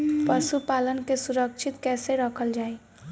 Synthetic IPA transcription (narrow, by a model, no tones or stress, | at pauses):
pəsupalənkesuɾəkt͡ʃʰit̪kɛːseɾəkʰəld͡ʒaːi